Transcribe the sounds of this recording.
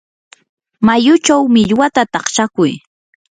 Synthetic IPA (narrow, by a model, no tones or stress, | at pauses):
majʊt͡ʃawmɪʎwat̪at̪ɑχt͡ʃakʊj